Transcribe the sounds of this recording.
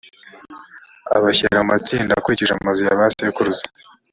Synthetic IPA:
a̰βaçḛɾamumat͡siːndakuɾiciiʒamumazujaβasjekuɾuzḁ

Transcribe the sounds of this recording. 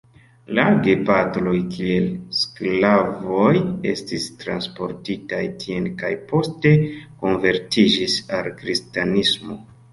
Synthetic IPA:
laɾɡe̞patlo̞jkʰielsklavo̞je̞̰stistɾanspo̞ɾtitajtʰienkajpo̞ste̞ko̞nve̞ɾtid͡ʒisalkɾistanismo̞̰

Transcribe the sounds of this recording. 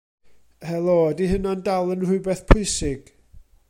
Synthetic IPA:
hɛlˠodiɦənandalˠənrʊɨbɛθpʰʊɨsɪɡ̥

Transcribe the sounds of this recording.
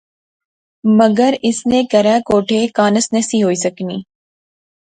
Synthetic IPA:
məɡəɾɪsnẽːkɐɾɛ̃ːkoːʈʰeːkaːnəsnɐsiːɦoːiːsɐkniː

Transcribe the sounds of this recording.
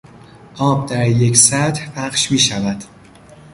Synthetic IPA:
ʔɒːb̚d̪æɾje̞csæt̪hpʰæχʃmiːʃævæd̪̥

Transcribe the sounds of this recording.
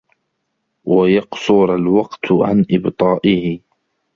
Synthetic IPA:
wajɑqsʊɾalwɑqt̪ʕa̰nʔɪbt̪ˤɑːʔɪhɪ

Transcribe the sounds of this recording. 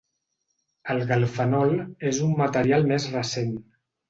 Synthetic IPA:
əlˠɣəlˠfənɔlezumːət̪əɾialˠmezrəsen

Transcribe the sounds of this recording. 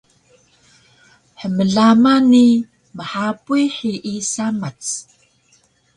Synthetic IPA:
ħəməɮamani | məħapuiħiʔːsamat͡s

